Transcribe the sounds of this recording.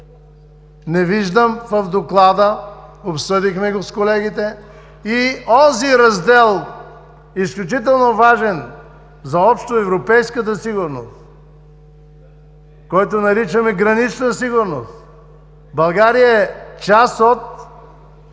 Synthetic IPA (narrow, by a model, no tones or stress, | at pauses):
nɛviʒd̪əmfɐfd̪oklˠad̪əopsɤd̪ixmɛɡoskolɛɡit̪ɛ | iɔziɾɐzd̪ɛlˠ | isklʲut͡ʃit̪̬ɛlˠnovaʒɛn | zɐɔpʃt̪oɛvɾopɛjskət̪əsiɡʊɾno̰st̪ | kɔjt̪onɐɾit͡ʃəmɛɡɾɐnit͡ʃnəsiɡʊɾno̰st̪ | bɐlˠɡaɾijəɛt͡ʃasot̪̚